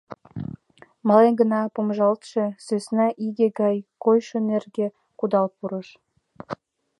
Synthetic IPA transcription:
mɑlenɡə̆nɑpomʒɑlt̪ʃĕsøsnɑʔiɡeɡɑjkojʃø̆nerɡe | kud̪ɑlpuɾə̆ʃ

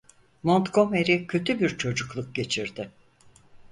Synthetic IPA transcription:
mo̞nt̪ko̞meɾicʰø̞t̪ʰybiɾt͡ʃʰo̞d͡ʒuklˠuk̚ɟe̞t͡ʃʰiɾd̪ɪ

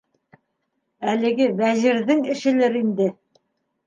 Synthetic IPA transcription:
ælɘ̆ɡɘvæʑiɾðɘŋɘ̆ʃɘ̆lɘɾind̪ɘ

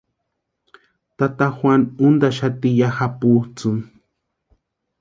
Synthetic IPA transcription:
t̪at̪axwʷanund̪aʃat̪ijaxaput͡sun

